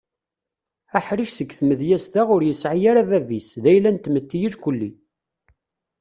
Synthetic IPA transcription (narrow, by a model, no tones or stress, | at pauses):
æħɾiʃsəɡθməðjæsd̪aʁʊɾjəsʕijaɾævævisðæjlænt̪mət̪ːijilkʷəlːi